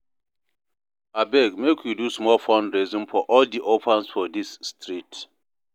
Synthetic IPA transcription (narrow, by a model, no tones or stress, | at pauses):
abɛɡmekʰjudusmɔlfɔ̃ndɹizɔ̃nfɔʔɔldiʔopʰãnsfɔdisːtɹit